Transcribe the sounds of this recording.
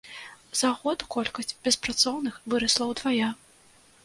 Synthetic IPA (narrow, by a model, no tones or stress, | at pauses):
zaɣɔd̪kɔlʲkɐsʲt͡sʲb̥ʲɛspɾat̪sɔwnɨxvɨɾɐslˠɐwd̪vaja